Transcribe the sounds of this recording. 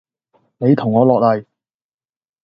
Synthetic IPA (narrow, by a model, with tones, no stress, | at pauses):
ne˨˧jt̪ʰʊ˨˩ŋːɔː˨˧lɔː˨k̚lɐ˨˩j